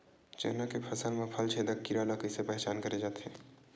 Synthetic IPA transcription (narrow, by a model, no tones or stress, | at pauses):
t͡ʃɛ̰ɦnakepʰɐsəlmẽpʰəlt͡ʃʰed̪əkːiɾalakəsepɛɦt͡ʃaːnkəɾed͡ʒaːt̪ɦɛ̃